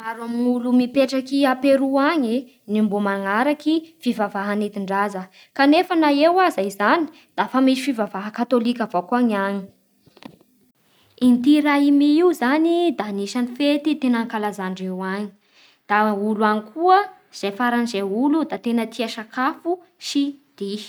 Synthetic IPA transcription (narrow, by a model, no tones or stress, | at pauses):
maɾamulumipeʈ͡ʂakiapeɾuaɲi | nimbumaŋaɾakifivavaɦanet̪iɳɖ͡ʐazə | kanefanaewazaizani̥ | d̪̥afamisi̥fivavaɦəkat̪olikʲavokuaɲaɲi̥ | int̪iɾaimiiuzanid̪aniʃanifet̪it̪enaŋkalazaɳɖ͡ʐewaɲi̥ | d̪̥auluaŋikʰuə | iz̥ejfaɾanizeulud̪at̪enət̪iaʃakafu | ʃid̪̥i̥